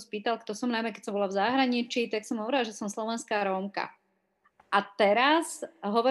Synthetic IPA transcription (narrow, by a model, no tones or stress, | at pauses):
spiːt̪alkt̪ɔsɔmnajmɛkɛcsɔmbɔlavzaɦɾaɲit͡ʃit̪aksɔmɦɔʋɾalaʒɛsɔmslɔʋɛnskaːɾɔmka̰ | ʔat̪ɛɾazɦɔʋɔ